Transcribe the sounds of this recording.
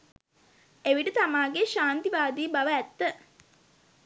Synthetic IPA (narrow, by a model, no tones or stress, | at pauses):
eʋiʈət̪amaːɡeʃaːnt̪iʋaːd̪iːbaʋəæt̪ːə